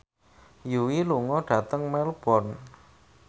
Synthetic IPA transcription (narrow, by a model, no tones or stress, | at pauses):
juwiluŋɔɖ̥ä̤t̪əŋmɛlb̥ɔn